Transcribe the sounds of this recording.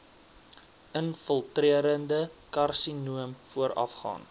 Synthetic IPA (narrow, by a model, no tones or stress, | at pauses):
ənfəlˠtriəɾəndəkɐrsinuəmfuəɾɐ̰fχɑ̰ːn